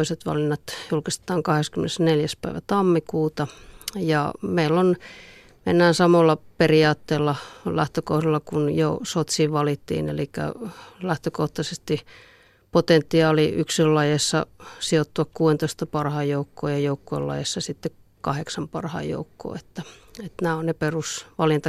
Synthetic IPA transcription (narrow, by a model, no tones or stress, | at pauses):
iset̪ʋɑ̰linːɑt̪julkist̪e̥t̪ɑːŋkɑheskymenesneljæspæiʋæ̰t̪ɑmːikuːt̪ɑjɑ̰meilːon | mḛnːæːnsɑmolːɑperiɑːt̪ːeːlːɑlæht̪økohɾelːɑkunjo̰sot̪siːʋʋɑlit̪ːḭːnḛlikːæ̰læht̪økoht̪ɑsest̪i | pot̪ent̪ːiɑːliʔyksillɑjesːɑ̰siot̪ːuɑkkuːwent̪oist̪ɑpɑrhɑːjoukːo̰ːjɑjoukːoḛlːɑ̰jesːɑsit̪ːe | kɑheksɑmpɑ̰rhɑ̰ːjo̰ukːo̰ːet̪ːæet̪næːonneperusʋɑlint̪ɑ